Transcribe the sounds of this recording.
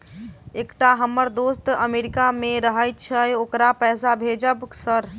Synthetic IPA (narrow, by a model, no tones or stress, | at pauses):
ekʈaɦəmːəɾd̪ost̪əmeɾikamẽɾəɦəjt̪t͡ʃʰəokɾapɛːsabʱed͡ʒəbsəɾ